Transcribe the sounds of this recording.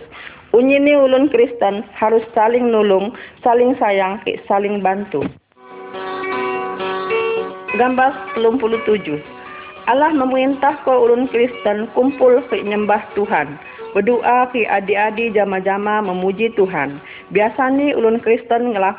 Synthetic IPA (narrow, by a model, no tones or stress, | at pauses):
ʔuɲiniulʊnkɾist̪ənhaɾʊsːalɪŋnulʊŋsalɪŋsajaŋkɛ̰salɪŋbant̪u | ɡambart̪əlumpulut̪ud͡ʒʊh | ʔalahməmuint̪ahkɔulʊnkɾist̪ənkumpʊlkəɲəmbaht̪uɦan | bədoʔakiʔadiadid͡ʒamad͡ʒamaməmud͡ʒit̪uɦan | biasaniṵlʊnkɾist̪ənŋəla